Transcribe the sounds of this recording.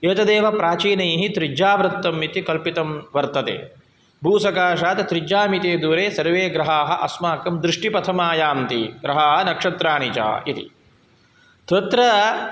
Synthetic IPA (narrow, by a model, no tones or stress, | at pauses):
eːt̪ɐd̪eːʋɐpɾaːt͡ʃiːnɐjːɦit̪ɾid͡ʒaːʋbɾɐt̪ːɐmit̪ikɐlpit̪ɐmʋɐɾt̪ɐt̪ḛː | bʱuːsɐkaːʃaːt̪t̪ɾid͡ʒaːmit̪eːd̪uːɾeːsɐɾʋeːɡɾɐɦaːɦɐ̆ʔɐsmaːkɐmd̪ɾɪʂʈipɐt̪ʰɐmaːjaːmt̪ḭɡɾɐɦaːɦɐnɐkʂɐt̪ɾaːɳit͡ʃa̰ːit̪ḭ | t̪ʰɐt̪ɾɐ